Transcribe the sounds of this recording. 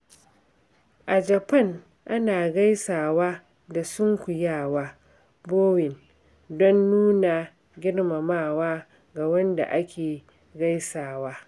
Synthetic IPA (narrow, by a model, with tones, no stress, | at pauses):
ʔa˨d͡ʒɐ˨pɐ˦˨ŋ | ʔa˦naː˨ɡa˦jsaː˨waː˦ | da˨sʊ˦ŋkʷʊ˨jaː˦˨waː˦ | boː˦wɪ˨n | dɔ˦nːuː˦na˨ | ɡʲɪ˦ɽma˨maː˦˨waː˦ | ɡa˨wɐ˦nda̰˨ʔa˦kʲeː˨ | ɡa˦jsaː˨waː˦